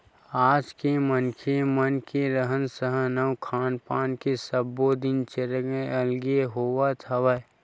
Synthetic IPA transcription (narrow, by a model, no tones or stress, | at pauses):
aːd͡ʒkemənkʰemənkeɾəɦənsəɦənəwkʰaːnpaːnkesəbːod̪ɪnt͡ʃeɾɡẽəlɡeɦoːwat̪ʰəʋə